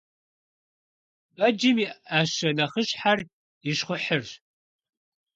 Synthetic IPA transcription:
pʼɐd͡ʒɪmiaʃɐnɐχəɕħar | jɪʃχʷʊħər

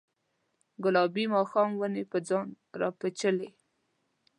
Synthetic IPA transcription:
ɡʊlɑbimɑxɑmwənepəd͡zɑn | ɾɑ̰pət͡ʃəle

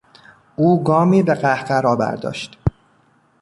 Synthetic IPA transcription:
uːɡɒːmiːbeɢæhɢæɾɒːbæ̰ɾd̪ɒ̰ːʃt̪

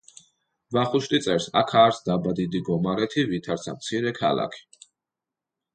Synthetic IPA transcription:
vaχuʃlit̪sʼɛɾsa̰kʰaːɾsd̪abad̪id̪iɡɔmaɾɛt̪ʰivit̪ʰaɾt̪sʰa̰mt̪sʰiɾɛkʰa̰la̰kʰi̥

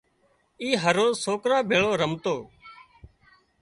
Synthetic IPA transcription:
iːɦəɾoːsoːkɾãːbʱeːɭoːɾəmt̪oː

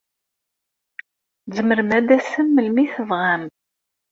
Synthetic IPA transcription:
zəməɾmæd̪æsəmːəlmiθəvʁam

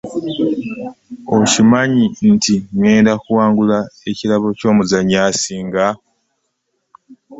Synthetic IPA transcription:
ocimaɲintiŋe̞ːndakuwaːŋɡulaecilaβo̞co̞ːmuzaɲːaːsiːŋɡa

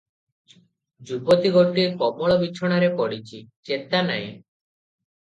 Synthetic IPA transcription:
d͡ʒubot̪iɡʱoʈikɔmɔɭɔbit͡ʃʰɔɽ̃aɾepɔɽit͡ʃʰit͡ʃet̪anaj̃

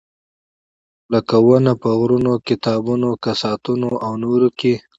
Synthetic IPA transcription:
ləkawənapəɣɾunokɪt̪ɑbunokasɑt̪unoʔawnoɾoke

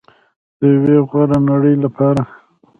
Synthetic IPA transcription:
d̪̥əjweɣwaɾanaɽəjlapʰɑɾa

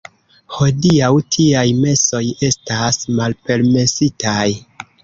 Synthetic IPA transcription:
ho̞diawtʰiajme̞so̞je̞stasmalpe̞ɾme̞sitaj

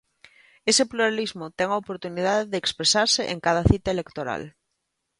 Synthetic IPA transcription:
esepluɾalizmot̪ɛŋaopoɾt̪unið̞aðeðekspɾesaɾseʔeŋkaðaθit̪aelekt̪oɾa̰l

